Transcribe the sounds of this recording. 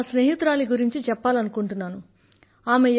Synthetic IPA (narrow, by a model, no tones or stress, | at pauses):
sneːɦit̪ɾaːliɡuɾiɲt͡ʃit͡ʃɛpːaːlɐnukuɳʈunːaːnu | aːme̞